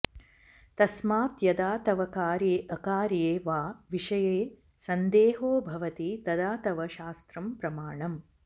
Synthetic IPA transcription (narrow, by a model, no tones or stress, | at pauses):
t̪ɐsmaːt̪jɐd̪aːt̪ɐʋɐkaːɾjeːʔɐkaːɾjeːʋaːʋiʂɐjeː | sɐnd̪eːɦoːbʱɐʋɐt̪it̪ɐd̪aːt̪ɐʋɐʃaːst̪ɾɐmpɾɐmaːɳɐm